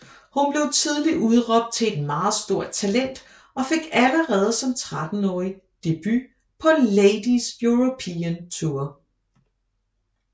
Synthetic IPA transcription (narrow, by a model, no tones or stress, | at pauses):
hunb̥le̝ʊt͡sʰið̞ˠliʔuð̞ˠʁɒ̽b̥̚d̥̚t͡sʰe̝e̝d̥mɑ̈ːð̩ˠsd̥o̝ɐ̰d̥̚t͡sʰælen̰d̥ | ɒ̽fe̝ɡ̥æləʁɛːð̞̩ˠsɒ̽mt͡sʰʁad̥n̩ɒːi | d̥e̝b̥y | pʰɒ̽leɪd̥isjuʁopʰiænt͡sʰuɐ̰